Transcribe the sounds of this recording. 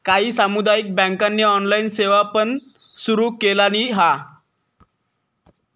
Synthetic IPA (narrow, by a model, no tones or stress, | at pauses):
kaɦiːsamud̪ajik̚bə̃ŋkanːeɔnlainseʋapən | suɾuːkelañiɦa